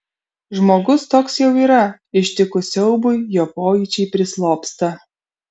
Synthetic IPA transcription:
ʒmoːɡʊst̪oːksjɛʊiːɾɐ | ɪʃʲt̪ʲɪkʊsʲɛʊbʊɪjoːpoːjiˑt͡ʃʲɛɪpʲɾʲɪslˠoːpst̪ɐ

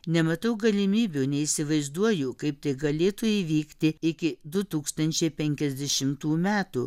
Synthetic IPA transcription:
nʲɛmɐt̪ɐʊɡɐlʲɪmʲiːbʲuːnʲɛisʲɪʋɐɪzd̪uɔjʊkɐɪp̚t̪ɐɪɡɐlʲeːt̪ʊiːʋʲiːkt̪ʲɪɪkʲɪd̪ʊt̪uːkst̪ɐnʲt͡ʃʲɛɪpʲɛŋʲkʲɛzʲd̪ʲɛʃʲɪmt̪uːmʲæːt̪ṵː

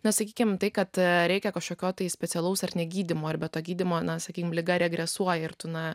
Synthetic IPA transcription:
nɐsɐkʲiːkʲɪmt̪ɐɪkɐt̪ɾʲɛɪkʲɛkɐʃkoːkʲoːt̪ɐɪsʲpʲɛt̪sʲɛlˠɐʊsɐrnʲɛɡʲiːd̪ʲɪmoːɐrbʲɛt̪oːɡʲiːd̪ʲɪmoːnɐsɐkʲiːkʲɪmlʲɪɡɐɾʲɛɡɾʲɛsuɔjɪrt̪ʊnɐ

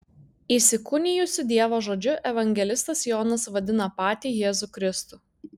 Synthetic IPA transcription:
iːsʲɪkʊnʲɪjʊsʲɪd̪ʲiɛʋoːʒoːd͡ʒʲʊʔɛʋɐŋʲɡʲɛlʲɪst̪ɐsjoːnɐsʋɐd̪ʲɪnɐpɑːt̪ʲiːjeːzukɾʲɪst̪ʊˑ

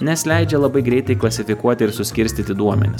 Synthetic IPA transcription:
nʲɛsʲlʲæɪd͡ʒʲɛlˠɐbɐɪɡɾʲɛɪt̪ɐɪklˠɐsʲɪfʲɪkuɔt̪ʲɪɪɾsʊsʲkʲɪɾʲsʲt̪ʲiːt̪ʲɪd̪uɔmʲɛ̰nʲɪs

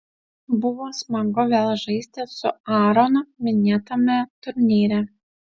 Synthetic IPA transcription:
bʊʋoːsmɐɡʊʋʲeːlˠʒɐɪsʲt̪ʲɪsʊɑːɾonʊmʲɪnʲeːt̪ɐmʲɛt̪ʊɾʲnʲiːɾʲæ

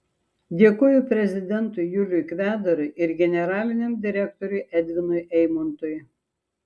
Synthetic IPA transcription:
d̪ʲeːkoːjʊpʲɾʲɛzʲɪd̪ʲɛnt̪ʊjjʊlʲʊjkʋʲæːd̪ɐɾʊɪʔɪɾɡʲɛnʲɛɾɑːlʲɪnʲɛmd̪ʲɪɾʲɛkt̪ɔɾʲʊɪʔɛd̪ʲʋʲɪnʊjʔɛɪmɐnt̪ʊj

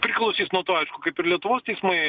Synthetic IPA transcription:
pʲɾʲɪklˠɐʊsʲiːsnuɔt̪uːɐɪʃkʊkɐɪpɪɾlʲiɛt̪ʊʋoːst̪ʲɛɪsmɐɪ

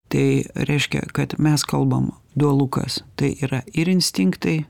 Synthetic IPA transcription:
t̪ɐɪɾʲɛɪʃʲkʲɛ̰kɐt̪mʲɛskɐlˠbɐm | d̪uɔlˠukɐ̰st̪ɐɪʔiːɾɐɪɾɪnʲsʲt̪ʲɪŋkt̪ɐɪ

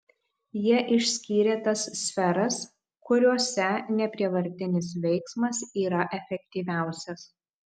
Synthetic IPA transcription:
jiɛʔɪʃʲsʲkʲiːɾʲeːt̪ɐsːʲfʲɛɾɐs | kʊɾʲuɔsʲɛnʲɛpʲɾʲiɛʋɐɾʲt̪ʲɪnʲɪs̬ʋʲɛɪksmɐsiːɾɐʔɛfʲɛkt̪ʲiːʋʲæˑʊsʲɛs

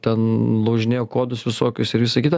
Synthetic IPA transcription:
t̪ʲɛnlˠoʊʒʲɪnʲeːjokoːd̪ʊsʋʲɪsoːkʲʊsɪɾʋʲɪsɐkʲit̪ɐ

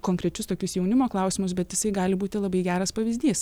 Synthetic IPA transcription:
koːŋkɾʲɛt͡ʃʲʊst̪oːkʲʊsjɛʊnʲɪmoːklˠɐˑʊsʲɪmʊsbʲɛt̪jɪsɐɪɡɑːlʲɪbuːt̪ʲɪlˠɐbɐɪɡʲæːɾɐspɐʋʲɪzʲd̪ʲiːs

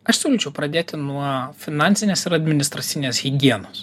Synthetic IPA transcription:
ɐʃsʲʊlʲuːt͡ʃʲɛʊpɾɐd̪ʲeːt̪ʲɪnuɔfʲɪnɑnʲt̪sʲɪnʲeːsɪɾɐd̪ʲmʲɪnʲɪst̪ɾɐt̪sʲiːnʲesɣʲɪɡʲiɛnos

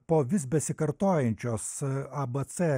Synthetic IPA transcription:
poːʋʲɪsbʲɛsʲɪkɐɾt̪oːjɛnʲt͡ʃʲoːsɐbɐt̪sɛ

